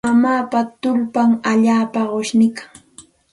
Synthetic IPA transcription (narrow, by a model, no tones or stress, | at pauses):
amaːpat̪ʊlpaŋaʎaːpaɢoʃnɪkḁ